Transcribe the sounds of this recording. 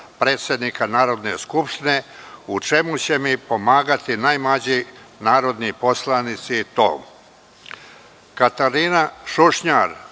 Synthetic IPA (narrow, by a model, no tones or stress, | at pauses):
pɾe̞ːt̪sjed̪nikanaːɾo̞d̪ne̞skupʃt̪ine̞ut͡ʃe̞mut͡ɕe̞mipo̞maːɡat̪inajmlad͡ʑi | naːɾo̞d̪nipo̞slˠanit̪siːt̪o̰ːm | kat̪aɾiːnaʃuʃɲaɾ